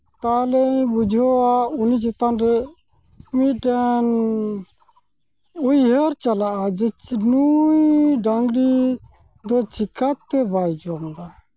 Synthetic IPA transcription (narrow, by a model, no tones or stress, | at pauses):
t̪alɛbud͡ʒʱɔwaunid͡ʒɔt̪anɾɛ | miʈan | ujɦəɾt͡ʃalaʔad͡ʒit͡ʃnujɖaŋɡɽi | d̪ɔt͡ʃʰikat̪ːɛbajd͡ʒamd̪a